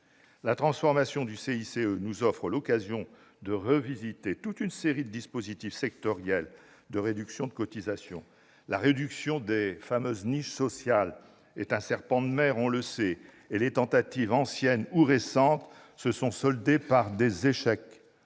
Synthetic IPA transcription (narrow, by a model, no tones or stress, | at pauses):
lat̪χɑ̃sfɔʁmasjɔ̃d̪yseiseønuzɔfχəlɔkazjɔ̃ | d̪əʁəvizit̪et̪ut̪ynseʁid̪əd̪ispozit̪ifsɛkt̪ɔʁjɛl | d̪əʁed̪yksjɔ̃d̪əkɔt̪izasjɔ̰̃ | laʁed̪yksjɔ̃d̪efamøzniʃsɔsjal | ɛt̪ɛ̃sɛʁpɑ̃d̪əmɛʁɔ̃ləsɛ | elet̪ɑ̃t̪at̪ivɑ̃sjɛnuʁesɑ̃t̪ | səsɔ̃sɔld̪epaʁd̪ezeʃɛk